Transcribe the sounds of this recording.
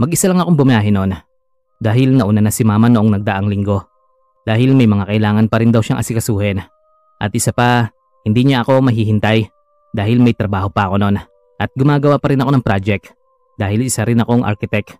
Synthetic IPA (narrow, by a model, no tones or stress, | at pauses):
mɐɡʔɪsalɐŋɐko̞ŋbʊmɐjaːɦɪno̞n | d̪aːɦɪlnɐʔunanɐsɪmaːmɐnoʔo̞ŋnɐɡ̚d̪ɐʔaŋlɪŋɡo̞ | d̪̥aːhɪlmɐjmɐŋakɐʔɪlaːŋɐnpɐɾɪnd̪ɐwʃaŋʔɐsɪkɐsuːhɛn | ʔɐt̪̚ʔɪsapɐ | hɪnd̪iɲaʔɐko̞mɐɦiːhɪnt̪aj | d̪aːhɪlmɐjt̪ɾɐbaːho̞pɐʔɐko̞no̞n | ʔɐt̪̚ɡʊmaːɡɐwapɐɾɪnɐko̞nɐŋpɾad͡ʒɛk̚t̪ | d̪̥aːhɪlɪsaɾɪnɐko̞ŋʔa̰ɾkɪt̪ɛk